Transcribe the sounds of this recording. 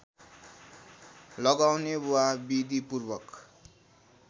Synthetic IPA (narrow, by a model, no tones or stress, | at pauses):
lʌɡawnewabid̪ipurbʌk